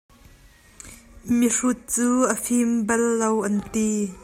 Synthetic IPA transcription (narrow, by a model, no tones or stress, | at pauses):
mirut̪̚t͡suːʔəfimbɛlːowʔɐnt̪i